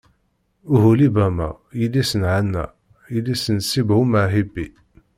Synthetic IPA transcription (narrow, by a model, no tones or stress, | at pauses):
uɦulibæmæ̰ | jilːisənʕanːæ̰ | jilːisənsːibhuməʕɦibi